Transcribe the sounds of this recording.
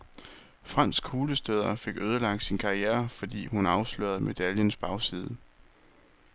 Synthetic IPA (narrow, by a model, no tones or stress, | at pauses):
fʁɑn̰sɡ̥ʰuːləsd̥øːð̞ˠɐfe̝ɡ̥øːð̞ˠəlɑ̈ɡ̥̚d̥sinkʰɑ̈ieːɐfɒ̽d̥ḭːhunɑ̈ʊslø̰ɐð̩ˠme̝d̥æljənsb̥ɑ̈ʊsið̞ˠə